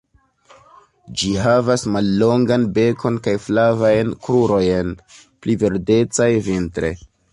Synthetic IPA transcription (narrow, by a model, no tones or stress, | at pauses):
d͡ʒiɦavasmalːo̞ŋɡanbe̞kʰo̞nkajflavajnkɾuɾo̞jen | pliveɾde̞t͡sajvintɾe̞̰